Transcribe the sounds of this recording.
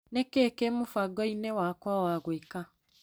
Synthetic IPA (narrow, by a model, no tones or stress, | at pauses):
nekekemofaɡɔinɛwakwawaɣweka